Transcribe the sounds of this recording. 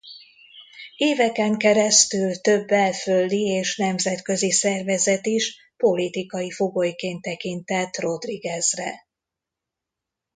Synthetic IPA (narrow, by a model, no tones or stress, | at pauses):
eːvɛkɛŋkɛɾɛst̪ylt̪ø̞bːɛlfølːieːʃnɛmzɛt̪kø̞zisɛrvɛzɛt̪iʃ | po̞lit̪ikɒjifo̞ɡojkeːnt̪ːɛkint̪ɛt̪ːro̞d̪riɡɛzrɛ